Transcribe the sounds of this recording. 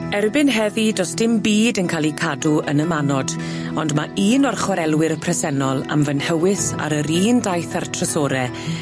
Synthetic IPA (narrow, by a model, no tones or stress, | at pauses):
ɛrbɪnɦɛvidɔsd̥ɪmbiːdənkʰaːlˠikʰaduənəmanɔd | ɔndmaiːnɔrχwaɾɛlˠwɪɾəpʰrɛsɛnɔlˠa̰mvənhɛwɪsa̰ɾəɾiːndajθartʰrəsɔːɾɛ